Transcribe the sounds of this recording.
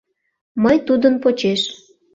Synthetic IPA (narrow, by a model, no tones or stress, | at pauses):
məjt̪ud̪ənpot͡ɕeʃ